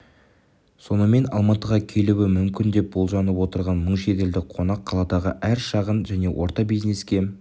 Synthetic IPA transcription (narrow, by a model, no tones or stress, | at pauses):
so̞nəme̞nɑ̰lˠmɑt̪əʁɑkʲʰe̞luwɪmʏmkʲɪnd̪e̞p̚bo̞lˠʒɑnəpwo̞t̪əɾʁɑnməɴʃe̞t̪e̞ld̪ɪk̚qʰo̞nɑqʰːɑlˠɑd̪ɑʁəʔæɾʃɑʁənʒæne̞wʔo̞ɾt̪ɑbijzne̞skʲe̞